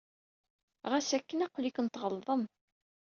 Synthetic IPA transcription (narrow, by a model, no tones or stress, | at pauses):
ʁæsækːənæqʊlikənt̪ʁəlðˤəm